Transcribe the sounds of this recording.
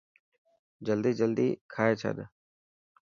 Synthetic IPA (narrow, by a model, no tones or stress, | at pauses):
d͡ʒəld̪iːd͡ʒəld̪iːkʰaːeːt͡ʃʰa̰ːd̪ə